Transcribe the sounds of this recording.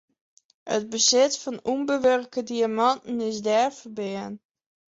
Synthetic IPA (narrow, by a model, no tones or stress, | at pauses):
ə̰t̚bəsɪtfɔnumbəʋørkədiamɔntn̩ɪsdɛrfərbɪən